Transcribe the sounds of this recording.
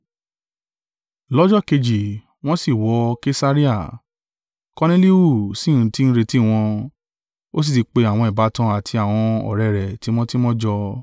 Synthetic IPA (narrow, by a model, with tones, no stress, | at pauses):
lɔ˦d͡ʒɔ˦˨ke˧d͡ʒi˨ | w̃ɔ̃˦si˦˨wɔ˨˧˦ke˦sa˦ɾi˦a˦˨ | kɔ˧ne˦li˦u˦˨sĩ˦˨ũ˨˦ti˦n̩˦ɾe˧ti˦˨w̃ɔ̃˧ | o˦s̬i˦˨ti˨˧k͡pe˧a˨w̃ɔ̃˧i˨ba˨˦tã˧a˨tʰi˧a˨w̃ɔ̃˧ɔ̰˨ɾɛ˨ɾɛ˨ti˨˦m̃ɔ̃˦ti˦mɔ̃˦d͡ʒɔ˧